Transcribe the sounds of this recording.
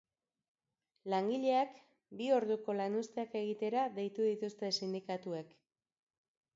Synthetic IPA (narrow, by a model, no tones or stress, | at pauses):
laŋɡiʎe̞ak | bio̞ɾðuko̞lanust̪e̞ake̞ɣ̞it̪e̞ɾaðe̞jt̪uðit̪ust̪e̞sind̪ikat̪uek